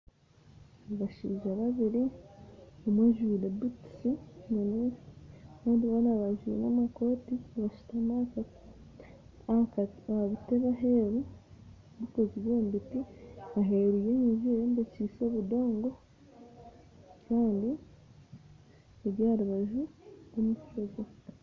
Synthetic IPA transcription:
βaʃiːʒaβaβiɾi | omwaʒudebitsimunuikaːndiβonaβaʒuḛnamako̞tiβaʃi̥tamakati̥ | βaβiteβaɦe̞ɾu | βikoziβoːmbitiaɦe̞ɾujeɲiʒiɾembeciːso̞βudo̞ːŋɡo̞ | kaːndi | eɾjaːɾuβaʒuβumukkozo

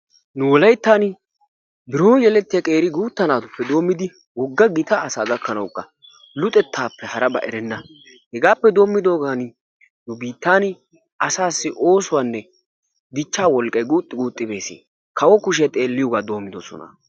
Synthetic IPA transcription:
nʊwɔlɐjt̪ːaːn | bɪɾoːjɛlɛt̪ːɪjɐkʼe̞ːɾɪɡuːt̪ːɐnaːt̪ʊpːɛd̪o̞ːmːɪd̪ɪ | wɔɡːɐɡɪt̪ɐːsaːɡ̪ɐkʰːɐnɐwkːɐ | lʊt̪ʼɛt̪ʰːaːpːɛhɐɾɐbɐ̰ʔɛɾɛnːɐ | hɛɡaːpːɛd̪o̞ːmːɪd̪o̞ːɡaːn | nʊbiːt̪ːaːn | ɐsaːsːɪʔo̞ːsʊwaːnːɛ | d̪ɪt͡ʃːaːwɔlkʼɐjɡuːt̪ʼːɪɡuːt̪ʼːɪbe̞ːsḛː | kʰɐwɔkʊʃ̬ɛt̪ʼe̞ːlːɪjɔɡaːd̪o̞ːmːɪd̪ɔsɔ̰nɐ̰

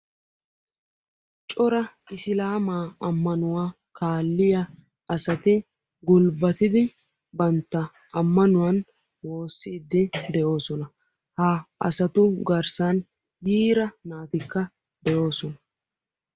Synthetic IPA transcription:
t͡ʃʼɔɾɐ | ɪsɪlaːmaːɐmːɐnʊwaː | kʰaːlːɪjɐ | ʔɐsɐt̪ɪ | ɡʊlbɐt̪ɪd̪ɪ | bɐnt̪ːɐ | ɐmːɐnʊwɐn | wo̞ːsːiːd̪ːɪd̪ɛʔo̞ːsɔnɐ | haːɐ̰sɐt̪ʊɡɐɾsɐn | jiːɾɐnaːt̪ɪkːɐ | d̪̥ɛjo̞ːsɔnɐ

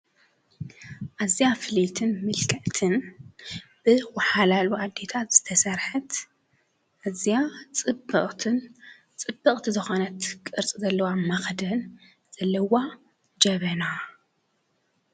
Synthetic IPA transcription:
ʔazijafɨlit̪ʰɨnmɨlkʰɐʕt̪ʰɨn | b̥ɨwɐħalaluʔad̪ːe̞t̪ʰat̪z̥ɨt̪ʰɐsɐɾħɨt̪ | ʔazijat͡sʼɨbɨʔʼt̪ʰɨn | t͡sʼɨbːɨχʼt̪ʰizɨxonɐt̪kʼɨɾt͡sʼizɐlːɐwamɐxd̪ɐn | z̥ɐlːɐwa | d͡ʒɐβɐna

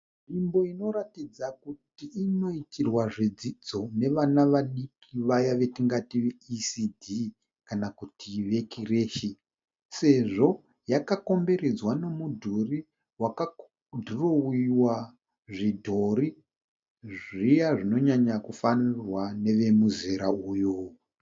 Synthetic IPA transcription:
ʐimbo̞ino̞ɾatid͡zakutiːno̞itirwaʐid͡zid͡zo̞ne̞ʋanaʋaɗikiʋajaʋe̞tiŋɡatiʋeisidʱi | kanakutʰiʋe̞kireːʃi | se̞ʐo̞ | jakako̞mbe̞ɾed͡zwano̞mudʱori | waka | dʱurowiwa | ʐidʱoɾi | ʐijaʐino̞ɲaɲakufanirwane̞ʋe̞muziɾauːjo

